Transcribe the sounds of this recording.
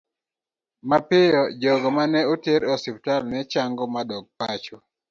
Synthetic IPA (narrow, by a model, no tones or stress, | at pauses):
mapɪjɔd͡ʒɔɡɔmanɛoteɾɔsɪp̚talnɛt͡ʃaŋɡɔmadɔɡ̚pat͡ʃɔ